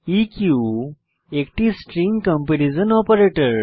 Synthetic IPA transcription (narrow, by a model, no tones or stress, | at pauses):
ikju | ekʈisʈɾiŋkə̃mpenizənɔpəɾeʈəɾ